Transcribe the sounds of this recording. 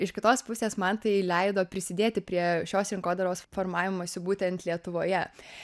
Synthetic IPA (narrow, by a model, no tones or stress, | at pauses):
ɪʃkʲɪt̪oːspʊsʲeːsmɐnt̪ɐɪlʲɛɪd̪oːpʲɾʲɪsʲɪd̪ʲeːt̪ʲɪpʲɾʲiɛʃʲoːsɾʲɪŋkoːd̪ɐɾoːsfoːɾmɑːʋʲɪmoːsʲʊbuːt̪ʲɛnt̪lʲiɛt̪ʊʋoːjɛ